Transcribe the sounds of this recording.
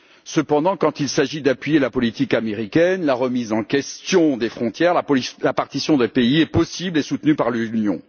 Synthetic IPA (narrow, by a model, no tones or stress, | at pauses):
səpɑ̃d̪ɑ̃kɑ̃t̪ilsaʒid̪apɥijelapɔlit̪ikameʁikʲɛnlaʁəmizɑ̃kʲɛst̪jɔ̃d̪efχɔ̃t̪jɛʁlalapaʁt̪isjɔ̃d̪epeiɛpɔsiblesut̪nypaʁlynjɔ̰̃